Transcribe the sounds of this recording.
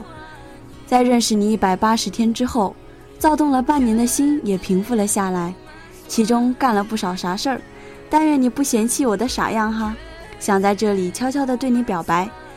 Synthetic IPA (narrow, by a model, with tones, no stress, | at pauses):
t͡sa˥˧ɪɻə˥˩nʂɻ̩˨˩ni˨˩˦i˥˩pa˨˩ɪpa˥ʂɻ̩˧˥t̪ʰjɛ˥nʈ͡ʂɻ̩˥xo˥˩ʊ | t͡sɑ˥˧ʊt̪ʊ˥˩ŋlə˩pa˥˩njɛ˧˥nd̪ə˧ɕi˥njɛ˨˩pʰi˧˥ŋfu˥˩lə˩ɕja˥˩la˧˥ɪ | t͡ɕʰi˧˥ʈ͡ʂʊ˥ŋka˥˩nlə˩pu˥˩ʂɑ˨˩ʊʂa˧˥ʂə˥˩ | t̪a˥˧nɻɛ˥˩nni˨˩pu˥˩ɕjɛ˧˥nt͡ɕʰi˥˩wɔ˨˩d̪ə˦ʂa̰˨˩jɑ˥˩ŋxa˧ | ɕjɑ˨˩ŋt͡sa˥˧ɪʈ͡ʂɤ˥˩li˨˩t͡ɕʰjɑ˥ʊt͡ɕʰjɑ˥ʊd̪ə˨t̪we˥˩ɪni˧˥pjɑ˨˩ʊpa˧˥ɪ